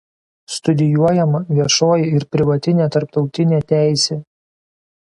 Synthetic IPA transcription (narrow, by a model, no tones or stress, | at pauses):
st̪ʊd̪ʲɪjuɔjɛmɐʋʲiɛʃoːjɪɪɾpʲɾʲɪʋɐt̪ʲɪnʲeːt̪ɐɾpt̪ɒʊt̪ʲɪnʲeːt̪ʲæˑɪsʲeː